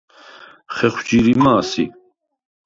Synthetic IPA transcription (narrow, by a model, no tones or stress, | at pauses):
χɛχwd͡ʒiɾimaːsḭ